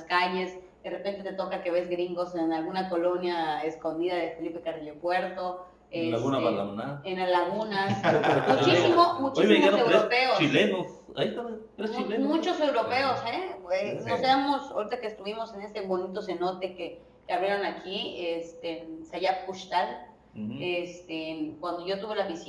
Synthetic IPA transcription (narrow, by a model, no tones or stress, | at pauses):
askaʝe̞s | d̪̥e̞repe̞nt̪e̞t̪e̞t̪okake̞βe̞zɡɾiŋɡo̞senalɣunako̞lo̞njae̞sko̞nd̪iðaðefe̞lipe̞kariʎepwe̞ɾt̪o̞ | eaɣunaβalamnaðenalaɣunasmut͡ʃisimomut͡ʃisimisewɾopeost͡ʃilenos | a̰it̪ame | ilemut͡ʃose̞wɾo̞pe̞oseenoseamo̞soɾit̪akeːst̪uβimo̞se̞ne̞st̪eβo̞nit̪o̞se̞not̪e̞ke | keaβɾje̞ɾo̞nakʰiest̪ensajapuʃt̪al | est̪enkwand̪o̞ʝo̞t̪uβe̞laβisj